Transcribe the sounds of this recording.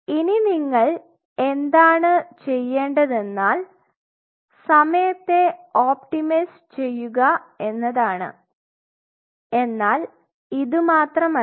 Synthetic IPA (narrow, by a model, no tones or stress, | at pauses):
ininiŋːɐɭ | e̞nd̪aːɳɨt͡ɕe̞jːe̞ːɳɖɐðe̞nːaːl | sɐmɐjɐt̪ːe̞oːpʈimis | t͡ɕe̞jːuɣɐe̞nːɐðaːɳɨ̰ | e̞nːaːl | iðɨmaːt̪rɐmɐ